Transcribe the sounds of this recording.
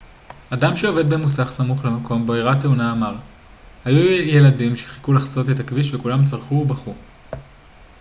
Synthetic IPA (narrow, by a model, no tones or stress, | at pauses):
adamʃeo̞ve̞d̪̚bemusaχsamuχlemakʰo̞mbeiʁateunaːmaʁ | hajuje̞lɐdimʃeχi̥kulaχt͡so̞tetakviʃvekulamt͡saʁχubaχu